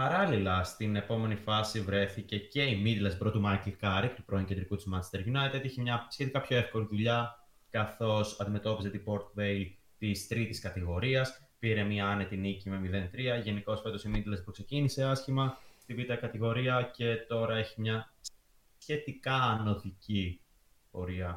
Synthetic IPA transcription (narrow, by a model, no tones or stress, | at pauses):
pɐɾɐlilɐst̪ine̞po̞me̞nifɐsivɾe̞θice̞ce̞imid̪lɐsbɾo̞t̪umɐɾklkɐɾik̚t̪u̥pɾoiŋced̪ɾikut̪izmɐ̥st̪e̞ɾjunɐjt̪et̪içimɲɐsçe̞t̪ikɐpço̞e̞fko̞liðuʎɐ | kɐθo̞sɐnd̪ime̞t̪o̞pizet̪ipo̞ɾt̪veil | t̪ist̪ɾit̪iskɐt̪iɣo̞ɾiɐs | piɾe̞miɐɐnet̪inicime̞miðe̞nt̪ɾiɐʝe̞niko̞sfe̞t̪o̞simid̪lɐspukse̞cinise̞ɐsçimɐst̪ivit̪ɐkɐt̪iɣo̞ɾiɐce̞t̪o̞ɾɐe̞çimɲɐ | sçe̞t̪ikɐno̞tici | po̞̰ɾiɐ